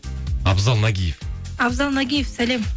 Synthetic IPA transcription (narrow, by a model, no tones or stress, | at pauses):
ɑbzɑlˠnaɡʲijefɑbzɑlˠnaɡʲijefsælʲem